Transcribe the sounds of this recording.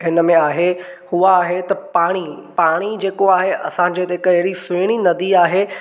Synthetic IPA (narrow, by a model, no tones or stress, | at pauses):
ɦɪnə̆mẽaːɦehʊaːɦet̪ɐpaːɽ̃ipaːɽ̃id͡ʑeːkoaːɦeʔɐ̰sãd͡ʑeːt̪eɦɪkɐɦɪɽisʊːɽ̃inɐd̪iaːɦeː